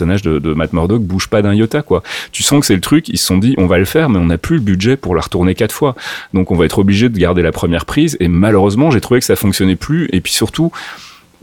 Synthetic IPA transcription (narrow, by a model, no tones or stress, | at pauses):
sɔnaʒd̪əd̪əmat̪mɔʁd̪ɔk̚buʒpad̪ɛ̃jɔt̪akwat̪ysɑ̃kə̥sɛlət̪χykḭlsə̥sɔ̃d̪iʔɔ̃valəfɛːʁmɛɔ̃naplyləbydʒɛpuʁləʁət̪uʁnekat̪fwad̪ɔ̃kɔ̃vaɛt̪χɔbliʒed̪əɡaʁd̪elapχəmjɛʁpχizemaløʁøzmɑ̃ʒet̪χuvekəsafɔ̃ksjɔnɛplyepɥisyʁt̪u